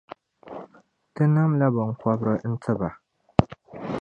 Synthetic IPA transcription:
tɨ˦na˦mla˦bɨ˨ŋ˨kɔ˦bɾɨ˨n̩˦tʰɨ˦ba˨

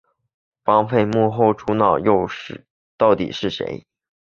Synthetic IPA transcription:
fɑ˥ŋpʰe˥˧ɪmu˥˩xo˥˩ʊʈ͡ʂʰu˥nɑ˥˩ʊjo˥˧ʊʂɻ̩˥˨˩ | t̪ɑ˥˩ʊt̪ḭ˨˩ʂɻ̩˥˩ʂḛ˧˥ɪ

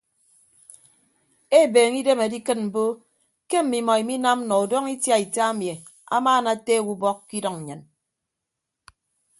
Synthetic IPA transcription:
e˦˨beː˨ŋi˦de˦me˨di˦kɨ˦t̚m̩˨bo˦ | ke˦m̩˨mi˨mɔ˨i˨mi˦na˦m̩˦nɔ˨u˨dɔ˦ŋi˦tja˦i˨ta˦a˦mje˨ | a̰˦maː˦˨na˨te˦˨wu˦bɔ˦kkːi˦dɔ˨ŋ̩˨ɲɨ˨n

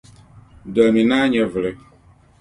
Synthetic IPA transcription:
də˨mĩ˨nã˦ɲɛ̃˨vlɪ˦

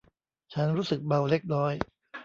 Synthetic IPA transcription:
t͡ɕʰa˦˥nɾuː˦˥sɯ˨˩k̚ba˧wle˦˥k̚ɾɔː˦˥j

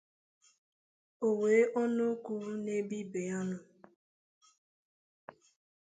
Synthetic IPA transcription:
o˨weː˨˦ʔɔ˦nʊ˦ku˦ɾu˦ne˦bi˦be˨a˦nʊ˨

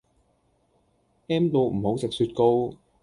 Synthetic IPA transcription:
ʔɛː˥mt̪o˧wm̩˨˩ho˨˥wt͡sɪ˨k̚syː˧t̚ko˧w

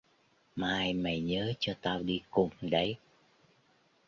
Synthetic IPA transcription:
maː˨˩jmə˨˩jɲəː˨˦t͡ɕɔ˧t̪aː˧wɗi˧kʊ˨˩ŋ͡mɗə˨˦j

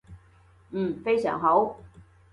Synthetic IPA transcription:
nm̩ː˥˩fe˥jsœ̰ː˨˩ŋɦo˨˥w

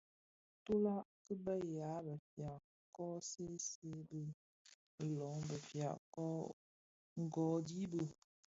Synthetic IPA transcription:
tu˦la˦ʔkɨ˦bɛ˦˨ja˨˦bə˨fja˨ʔ | kɔː˦se˦se˦bə˦˨ | lɔ˨˦ŋbə˨fja̰˨ʔkɔ˦ | ŋ̩˨ɡɔː˨di˦bə˨

